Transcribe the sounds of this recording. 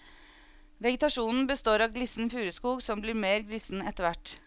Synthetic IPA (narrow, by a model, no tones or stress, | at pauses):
ʋɛɡət̪ɑʃuːnn̩bəst̪oːɾɑːʋɡlɪsn̩fʉːɾəskuːɡsɔmbliːɾmeːɾɡlɪsn̩ɛt̪əʋæʈ